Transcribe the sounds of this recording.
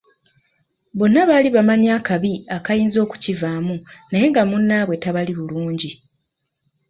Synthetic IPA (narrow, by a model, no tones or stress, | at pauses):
bo̞nːaβaːliβamaɲaːkaβiakajiːnzo̞ːku̥civaːmunaje̞ŋɡamunːaβwe̞taβaliβuluːɲɟi